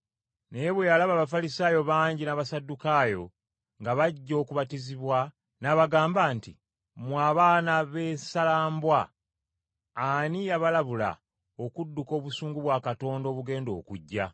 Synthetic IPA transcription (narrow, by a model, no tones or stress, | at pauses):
nejeβwejalaβaːβafalisaːjo̞βaːɲɟinaβasadːukaːjo̞ | ŋɡaβaɟːo̞ːkuβatiziβwa | naβaɡaːmbaːnti | mwaːβaːnaβe̞ːsalaːmbwa | nijaβalaβula̰ | okudːuko̞ːβusuːŋɡuβwaːkato̞ːndo̞ːβuɡe̞ːndo̞̰ːkuɟːa